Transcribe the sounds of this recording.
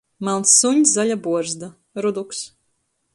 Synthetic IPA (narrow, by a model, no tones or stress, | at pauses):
malsːuɲʲszalʲabuɔɾzd̪a | ɾud̪uks